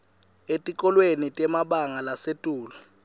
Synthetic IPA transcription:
etʼikʼɔlwenitʼɛmaɓaŋalasetʼuːlɔ

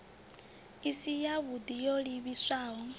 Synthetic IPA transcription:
isijaβud̪ijoliβiswaːɦɔ

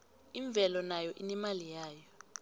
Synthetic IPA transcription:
iɱb̪vʱɛlɔnajɔʔinɛmalijaːjɔ

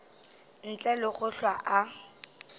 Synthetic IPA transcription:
n̩t͡ɬʼɛlɪχʊɬwaʔa

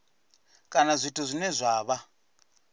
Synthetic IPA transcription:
kʼanazʷitʰuzʷinɛzʷaːβa

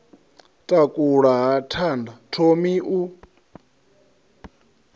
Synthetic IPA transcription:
tʼakʼuɺaɦatʰandatʰomiʔu

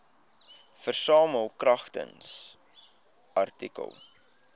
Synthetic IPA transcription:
fərsɑːməlˠkrɐχtə̰ns | ɐrtikə̰lˠ

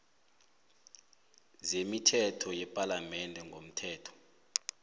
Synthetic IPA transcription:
zemitʰɛtʰɔjɛpʼalamɛndʱɛŋɡʱom̩tʰɛːtʰɔ̥

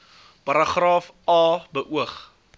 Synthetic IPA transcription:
pɐɾɑχrɑːfɑːbəʔuəχ

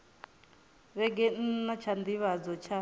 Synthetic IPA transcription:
βɛɡɛn̩nat͡ʃʰand̪iβad͡zɔt͡ʃʰa

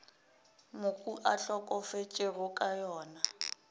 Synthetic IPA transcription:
mʊkʼuʔaɬɔkʼɔfet͡ʃʼerʊkʼajɔːna

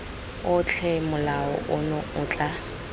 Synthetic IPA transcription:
ʊt͡ɬʰɛmʊlaɔ̰ʔʊnʊʊːt͡ɬʼa

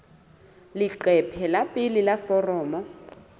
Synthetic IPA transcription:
lɪǃɛpʰɛlapʼɪlilafɔrɔːmɔ

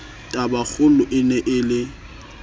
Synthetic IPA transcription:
tʼabak͡xʰʊlʊʔɪnɛʔɪlɪ

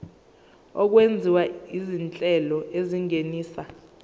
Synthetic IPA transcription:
ɔk̬wend͡zʱiwaizint͡ɬʼɛlɔʔeziŋeniːsa

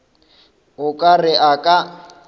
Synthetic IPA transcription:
ʊkʼarɪʔakʼa

